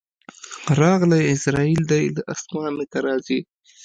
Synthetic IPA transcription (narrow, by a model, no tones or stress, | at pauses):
ɾɑɣlajɪsɾɑild̪ajlaʔasmɑnəkaɾɑːzi